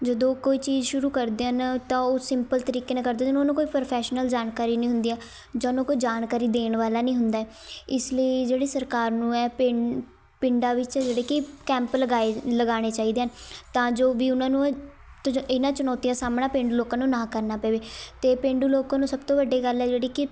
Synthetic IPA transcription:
d͡ʒəd̪õːkoːiːt͡ʃiːzʃʊɾuːkəɾd̪eːɦənt̪ãːoːsɪmpəlt̪əɾiːkeːnãːkəɾd̪ẽːʊnaːnũːkoːiːpɾəpʰɛːʃnəld͡ʒaːnkaːɾiːnəĩːɦʊ̃nd̪iːaː | d͡ʒaːnõːkoːid͡ʒaːnkaːɾiːd̪eːɳʋaːlaːnĩːɦʊnd̪aːɛː | ɪsləid͡ʒeːɽeːsəɾkaːɾnũːɛːpɪ | pɪɳɖaːʋɪt͡ʃd͡ʒeːɽeːkikɛ̃ːmpləɡaːeləɡaːɽ̃eːt͡ʃaːiːd̪eːɦnt̪ãːd͡ʒoːʋiːʊnãːnũː | t̪ɪnãːt͡ʃənɔːt̪ijãːsaːmɽaːpẽːɳɖuːloːkãːnũːnãːkəɾnaːpɛːʋeːt̪eːpẽːɳɖuːloːkãːnũːsəbt̪õːʋəɖːeːɡəlɛːd͡ʒeːɽiːkɪ

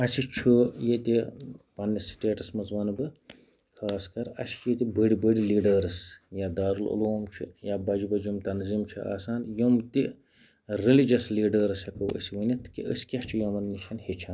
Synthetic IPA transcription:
ɐsit͡ʃʰujet̪ʲipɐnːisʈeːʈɐsmɐzʋɐnbɨ | kʰaːskɐɾɐ̰si̥t͡ʃʰjet̪ibəɽibəɽiliːɖɐɾsjad̪aːɾulṵloːmt͡ʃʰḭjabɐd͡ʒibɐd͡ʒimt̪ɐnzimt͡ʃʰia̰ːsaːnjomt̪i | ɾilid͡ʒɐsliːɖɐɾshɐkɐwə̰siʋənʲit̪ːɨ̥kiʔə̰si̥kʲɐht͡ʃʰijɐmɐnːiʃʰɐnhet͡ʃʰɐn

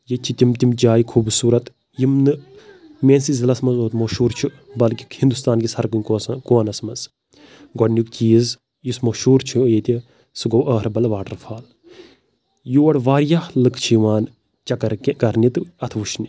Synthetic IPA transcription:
jet͡ʃʰit̪ʲimt̪imd͡ʒaːjikʰuːbsuːɾɐt̪ | jimnɨmeːnsizʲilɐsmɐzoːt̪moʃuːɾt͡ʃʰu | bɐlkikhind̪ust̪aːnɡisɐɾkunʲkːkoːnɐsmɐz | ɡɔnʲukt͡ʃiːz | jusmɐʃuːɾt͡ʃʰujet̪ʲi | sɨɡowəːɾbɐlʋaːʈɐɾfʰaːl | juʋɐɽʋaːɾjahlɨkt͡ʃʰiʋaːn | t͡ʃɐkɐɾkkɐɾnit̪ɨɐt̪ʰʋuʃnʲi

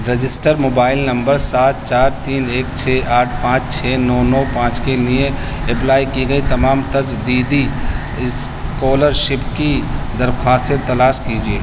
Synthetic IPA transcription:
ɾed͡ʒɪsʈəɾmoːbaːɪlnɐ̃mbəɾsaːt̪̚t͡ʃaːɾt̪iːneːk̚t͡ʃʰeːʔaːʈʰpãːt͡ʃt͡ʃʰeːnɔːnɔːpãːt͡ʃkenije | ɪplaːikiɡɐit̪ɐmaːmt̪ɐzd̪iːd̪i | ɪs | koːləɾʃɪpkid̪əɾkʰwaːst̪set̪ɐlaːʃkid͡ʒieː

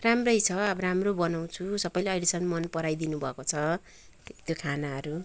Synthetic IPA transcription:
ramrʌjt͡sʰʌabɾamrobʌnaw̃t͡sʰusʌpʌjleʌjɽisʌnmʌnpʌɾajd̪inubʱʌkot͡sʰʌ | t̪jokʰanaɦʌɾu

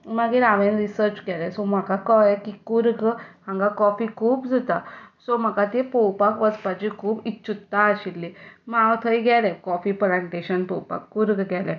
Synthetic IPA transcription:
maɡiɾaʋẽnɾisəɾt͡ɕkɛlɛsɔm̤akakɔjɛkikuɾɡhãŋɡakɔfikʰuːbd͡zʱut̪asom̤əkat̪epɔwpakʋəspat͡ɕikʰuːbitːɕʰut̪ːaːɕilːimawt̪ʰəjɡɛlɛkɔfipɾãɳʈeɕənpɔwpa̰kːuɾɡɡʱɛlɛ

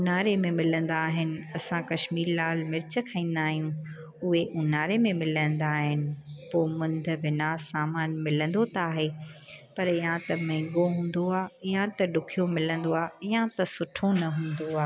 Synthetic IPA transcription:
ʊnaːɾemẽmɪlə̃nd̪aːɦɪnɪ̆ɐsãkɐʃmiːɾlaːlmɪɾɪt͡ɕəkʰaːĩːn̆d̪aːɦijũ | ʊɦeʔʊnaːɾemẽmɪlə̃nd̪aːɦɪnɪ̆poːmʊ̃nd̪ʱʋɪnaːsaːmaːnmɪlə̃nd̪ot̪aːɦeːpɐɾɪjãt̪ɐmɐ̃ːɡoɦũːn̆d̪oaːɪjãt̪ɐɖʊkʰijomɪlə̃nd̪oaːijãt̪ɐsʊʈʰonɐɦũːnd̪oaː

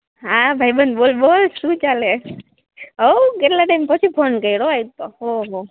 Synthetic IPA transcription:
ɦãbʱajbənbolbolsut͡ʃale | okeʈlaʈajmpɔsʰipʰonkəjɽoajt̪ːoɦoɦo

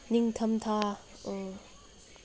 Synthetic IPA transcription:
niŋt̪ʰɐmt̪ʰa

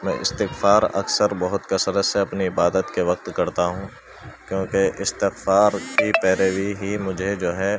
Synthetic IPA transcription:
mɛ̰̃ʔɪ̰st̪ɪxfaːɾɐ̰ksəɾbɐɦʊt̪kɐsəɾəseɐpniɪbaːd̪ət̪keʋɐq̚t̪kɐɾt̪aɦũː | kjõːkeʔɪst̪ɪxfaːɾkipɛːɾeːʋiɦimʊd͡ʒʱed͡ʒoːɦɛ

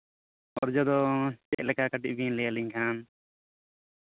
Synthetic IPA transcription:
ɔɾd͡ʒɔd̪ɔt͡ʃɛc̚lɛkakaʈiʔ̚binlɛjaliɲkʰan

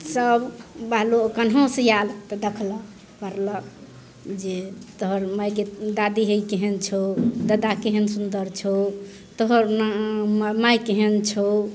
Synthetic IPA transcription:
səbbaɦlookənɦə̃sə̃jalt̪əd̪ekʰlɔ | pəɾlək | d͡ʒet̪ɔɦəɾmajɡed̪ad̪iɦəikeɦent͡ʃʰod̪əd̪akeɦənsund̪əɾt͡ʃʰo | t̪ɔɦəɾnmmajkeɦent͡ʃʰo

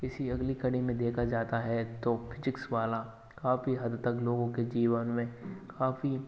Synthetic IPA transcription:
kɪsiɐɡlikɐɽ̃imẽd̪eːkʰad͡ʒaːt̪aɦɛt̪ofʰɪzɪksʋaːla | kaːfiɦɐd̪t̪ɐkloːɡõked͡ʒiːʋənmẽkʰaːfi

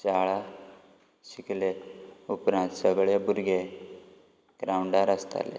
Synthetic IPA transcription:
t͡ɕaɭa | ɕikleupɾãnt̪səɡɭebuɾɡe | ɡ̥ɾauɳɖaɾəst̪a̰lḛ

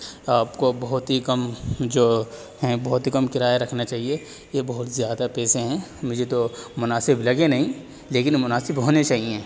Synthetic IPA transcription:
aːpkobɐɦʊt̪ɦikɐmd͡ʒoː | ɦɛ̃bɐɦʊt̪ikɐmkɪɾaːjaɾɐkʰnat͡ʃaːɦie | jebɐɦʊt̪zjaːd̪apɛːsẽɦɛ̃mʊd͡ʒʱet̪omʊnaːsɪblɐɡenɐɦĩ | leːkɪnmʊnaːsɪbɦoːnet͡ʃaːɦiẽː

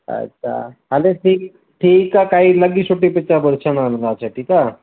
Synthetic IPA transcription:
ə̰tːɕʰa̰ɦaleʈʰiːk | ʈʰiːkakaɦiləɡiːsuʈːipit͡ʃabəlsananlaːt͡ɕʰaʈʰiːka

